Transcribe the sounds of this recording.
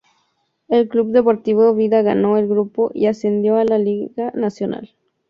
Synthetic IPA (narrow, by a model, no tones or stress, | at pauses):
elklubd̪epoɾt̪iβoeβiðaɣanoelɡɾupoʔḭasend̪joalaliɣanasjona̰l